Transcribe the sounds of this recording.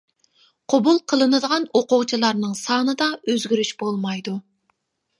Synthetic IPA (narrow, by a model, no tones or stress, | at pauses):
qʰobulˠqʰəlˠɨnɨd̪əʁɑnoqʊʁt͡ʃʰilˠɑɾnɨŋsɑːnɨd̪ɑøzɡʲyɾyʃb̥olˠmɑjd̪u